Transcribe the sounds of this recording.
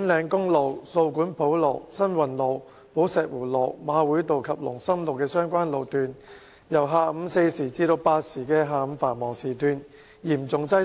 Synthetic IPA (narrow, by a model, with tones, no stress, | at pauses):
nlɛː˨˧ŋkʊ˥ŋlo˨˧wso˧wkuː˨˥npʰo˨˥wlɔ˨˩wsɐ˥nwɐ˨˩nlo˨˩w | po˨˥wsɛː˨k̚wuː˨˩lɔː˨˩kmaː˨˧wuː˨˥jt̪o˨wkʰɐ˨p̚lʊ̰˨˩ŋsɐ˥mlo˨˩wkɛː˧sœː˥ŋkʷwaː˥nlo˨˧wt̪yː˨n | jɐ˨˩wɦaː˨˧m̩˨˧se˧jsiː˨˩t͡siː˧t̪o˧wpaː˧t̚siː˨˩kɛː˧ɦaː˧m̩˨˧faː˨˩nmɔː˨˩ŋsiː˨˩t̪ʰyː˧n | jiː˨˩mt͡sʊ˨ŋt͡sɐ˥